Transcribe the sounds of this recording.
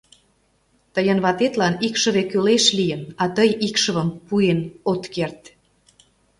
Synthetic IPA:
t̪əjənβɑt̪et̪lɑnikʃə̆βekøleʃlijənɑt̪əjikʃə̆βəmpuenot̪kert̪

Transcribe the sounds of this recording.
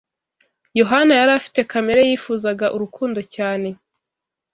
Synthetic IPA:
jo̞ɦanajaɾafi̥te̞kame̞ɾejiːfuːzaɡaʔuɾukʰuːndo̞caːne̞

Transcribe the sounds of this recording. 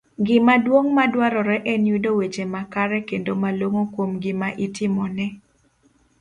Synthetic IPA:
ɡɪmadwoŋmadwaɾɔɾɛʔɛnjudowet͡ʃemakaɾɛkendomaloŋokwomɡɪmaʔɪtʰɪmɔnɛ

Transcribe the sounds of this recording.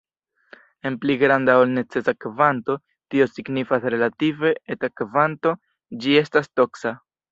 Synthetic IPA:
e̞npliɡɾandaolne̞t͡se̞sakvanto̞ | tio̞siɡnifasɾe̞lative̞etakvanto̞ | d͡ʒie̞stasto̞ksa

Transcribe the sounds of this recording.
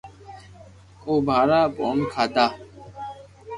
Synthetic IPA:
obʱaːɾaːponkʰaːd̪aː

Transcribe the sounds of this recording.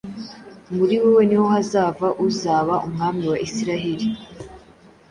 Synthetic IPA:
muɾiwewe̞niho̞hazaːvaʔuzaːβaʔumŋaːmiwaʔisiɾaɦeɾi

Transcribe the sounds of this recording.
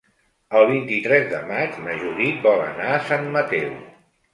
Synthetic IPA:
əlˠβ̞int̪it̪ɾɛzðə̰mad͡ʒməʒuɾibɔlə̰naəsanmət̪ɛw

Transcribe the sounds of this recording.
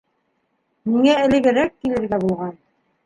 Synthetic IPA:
miŋæɘ̆lɘ̆ɡɘ̆ɾækːilɘ̆ɾɡæbulˠʁɑn

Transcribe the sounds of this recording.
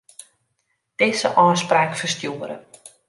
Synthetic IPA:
d̥ɪzəʔɔːspraːkfərstjuəɾə̰

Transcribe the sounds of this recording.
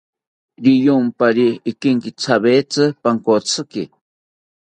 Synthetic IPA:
ɾijompaɾiːkɪŋkɪt͡sʰaβet͡sɨpaŋkot͡sʰɨkɪ

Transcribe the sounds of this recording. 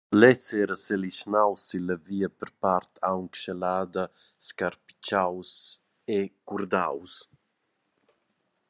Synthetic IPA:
lɛt͡sɛːɾəseliʃnawsiləviːəpəɾpart̪ʰawŋkʃelaːd̪ə | skaɾpi̥t͡ʃaws | ekuɾd̪a̰ws

